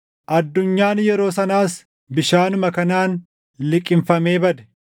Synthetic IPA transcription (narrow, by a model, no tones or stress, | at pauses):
ʔɐd̪ːʊɲːaːnjɛɾo̞ːsɐnaːs | bɪʃaːnʊmɐkɐnaːn | lɪkʼːɪmfɐme̞ːbɐd̪ɛ̥